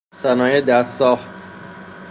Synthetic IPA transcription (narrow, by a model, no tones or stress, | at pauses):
sænɒːjed̪æsɒːxt̪̚